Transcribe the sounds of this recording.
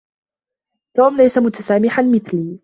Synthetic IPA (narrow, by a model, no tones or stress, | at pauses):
t̪uːmlajsamʊt̪asaːmɪħanmɪθliː